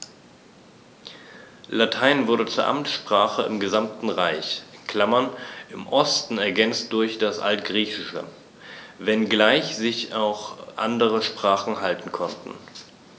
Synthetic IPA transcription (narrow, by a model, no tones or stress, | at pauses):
latʰaɪnvʊɐdət͡suːɐʔa̰mt͡sʃpʁ̥aːχəɪmɡəzamtn̩ʁaɪçkʰl̥amɐnʔɪmʔɔstn̩ɛɐɡɛnt͡st̚d̥ʊɐçd̥asʔa̰ltɡ̥ʁiːçɪʃə̰ | vɛnɡlaɪçz̥ɪçaʊxʔa̰ndəʁəʃpʁ̥aːχn̩haltn̩kʰɔntn̩